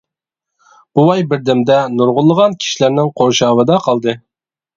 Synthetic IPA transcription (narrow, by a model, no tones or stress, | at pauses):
b̥uwɑjbɪɾd̪ɪmd̪ɛnuɾʁʊlˠːəʁɑnkʲʰi̥ʃilæɾnɪŋqʰoɾʃɑːwɨd̪ɑqʰɑlˠd̪ɨ